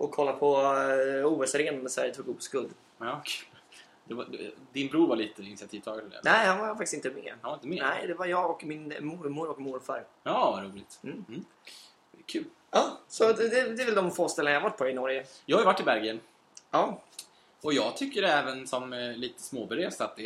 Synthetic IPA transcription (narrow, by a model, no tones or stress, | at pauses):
ʔɔkʰːɔlːapʰɔ | uːɛsɾeːnand̪əsæ̰ɾjət̪ʰuːɡupːskɵld̪ | ɑkʰʉl | d̪ɛvad̪ɛ̰d̪ɪnbɾuːɾvaɭiːt̪əɪnɪsɪat̪ʰiːvt̪ʰɑːɡad̪əlḛnɛɪhanvaɾfaktɪ̥sɪnt̪əmḛːanvaɾɪnt̪əmːnɛɪd̪ɛvaɾjɑːɡɔkmɪnmʊɾmʊɾɔkmʊɾfaɾɑːvaɾuːlɪt̪m̩ːm̩ː | kʰʉ̟ːl | ɑːsɔd̪ɛd̪ɛːɾvɛld̪ɔmfoːst̪ɛlnajahavaʈ̚ːpʰɔɪnɔɾjəjɑːhajəvaʈːɪbæɾɡɪən | ɑː | ɔjɑːɡt̪ʰʏkːəɖɛɛːvənsɔmliːt̪ə̥smoːbɛɾeːst̪at̪̚d̪ɛ